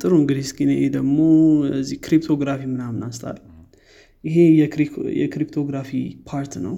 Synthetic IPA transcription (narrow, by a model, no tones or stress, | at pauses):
t̪ʼɨɾoɨŋɡɨd̪ihskʼineʔed̪əɡmo̞əzːihkɾip̚t̪ʰo̞ɡɾafimɨnamɨnast̪ʰʼa̰l | ɪɦejɛjɛ̰kɾipt̪ʰo̞ɡɾafipʰaɾt̪nə̰w